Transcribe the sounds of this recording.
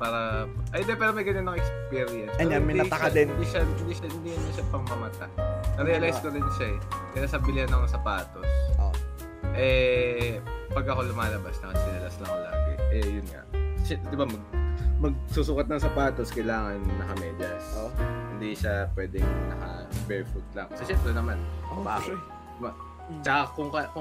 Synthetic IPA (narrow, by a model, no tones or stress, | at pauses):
paːɾɐʔɐjnd̪ɛpɛːɾomɐjɡɐnonɐŋɛkspiɾɪjɛnspɛɾɪmɪd̪ɐkd̪ɛɪnd̪iʃaɪnd̪iʃɐhɪnd̪iɐnːɐʃapɐŋmɐmɐt̪anɐɾɛɐlajskoɾɪnʃaɛkɐjasɐbɪlɪhɐnɐsɐpaːt̪oso | ʔɛ | pɐɡɐko̞lʊmaːlɐbasnɐŋɐt̪ɪnɐlɐslɐŋla̰ːɡɛ̰ʔɛjʊnŋa̰ʔʃɛd̪ɪbamɐɡ̚mɐɡ̚susukɐt̪̚nɐŋsɐpaːt̪oskɐjlaːŋɐnnɐkɐmɛːd̪ɐsohɪnd̪iʃapwɛːd̪ɛŋnɐkɐbɛɹfut̪̚lɐŋsoʃɛnpɾɛnɐmanba | ɪba | t͡ʃɐkɐkʊŋkɐkʊ